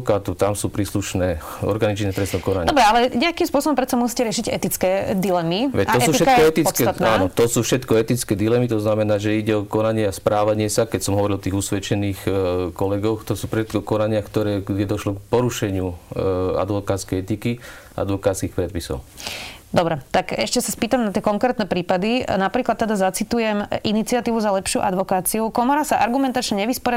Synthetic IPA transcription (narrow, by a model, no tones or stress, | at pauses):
kaːt̪ut̪amsuːpɾiːsluʃnɛː | ɔ̰ɾɡanit͡ʃnɛt̪ɾɛsnɔkɔnaɲdɔbɾɛalɛɲɛakimspʊɔsɔbɔmpɾɛt̪t͡samusiːcɛɾɪɛʃiɟɛ̰t̪it͡skɛd̪ilɛmiʋɛcaɔsuːfʃɛt̪ɔɛt̪it͡skɛaːnɔt̪ɔsuːfʃɛt̪kɔɛt̪it͡skɛːd̪ilɛmit̪ɔznamɛnaːʒɛiɟɛɔkɔnaɲɪɛaspɾaːʋaɲɪɛsakɛcsɔmɦɔʋɔɾilɔt̪iːɣusʋɛt͡ʃɛniːxkɔlɛɡɔxt̪ɔsuːfʃɛt̪kɔkɔnaɲɪakt̪ɔɾɛːɡɟɛd̪ɔʃlɔkpɔɾuʃɛɲɪu | a̰d̪ʋɔkaːt̪skɛjɛt̪iki | ʔa̰d̪ʋɔkaːt̪t͡skixpɾɛt̪̚pisɔ̰ʊd̪ɔbɾɛt̪akɛʃcɛsaspiːt̪amnat̪ɪɛkɔŋkɾɛːt̪nɛpɾiːpad̪inapɾiːklat̪ːɛd̪azat͡sit̪ujɛmʔinit͡siat̪iːʋuzalɛpʃɪṵʔad̪ʋɔkaːt͡siukɔmɔɾasaʔa̰ɾɡumɛnt̪at͡ʃɲɛɲɛʋispɔɾɪ